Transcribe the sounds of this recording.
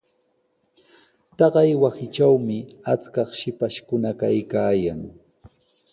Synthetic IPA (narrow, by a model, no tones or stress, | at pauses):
t̪ɑɢɑjwasɪt͡ʃawmɪat͡skɑχʃɪpaʃkʊnakajkaːjaŋ